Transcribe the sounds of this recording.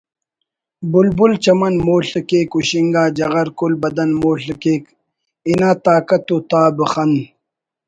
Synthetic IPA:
bulbult͡ɕɐmɐnmoːɬəkeːkuɕiŋɡaːd͡ʑɐɣɐɾkulbɐd̪ɐnmoːɬɐkeːk | inaːt̪aːkɐt̪ut̪aːbɨxɐnd̪

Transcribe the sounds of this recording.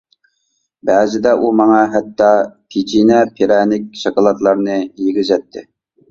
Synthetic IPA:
bɛːzɪd̪ɛʔumɑŋɑɦɛt̪ʰːɑt̪ʰet͡ʃʰinɛpʰeɾɛnɪk̚ʲʃɑkɑlˠɑt̪lˠɑɾnɨjeɡʲɪzɛt̪ʰːɪ

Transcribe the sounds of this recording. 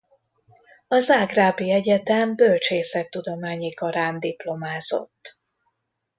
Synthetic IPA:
ɒzaːɡraːbiɛɟɛt̪ɛmbø̞lt͡ʃeːsɛt̪ːud̪o̞maːɲikɒɾaːnd̪iplo̞maːzo̞̰t̪ː

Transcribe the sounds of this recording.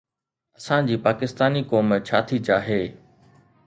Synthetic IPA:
ɐsãd͡ʑiːpaːkɪst̪aːnikoːmt͡ɕʰaːt̪ʰid͡ʑaːɦeː

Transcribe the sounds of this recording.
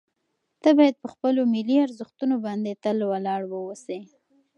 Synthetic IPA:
t̪abɑjad̪̚pəxpəlomɪliaɾzəxt̪unobɑnd̪et̪alwalɑɽwəwəse

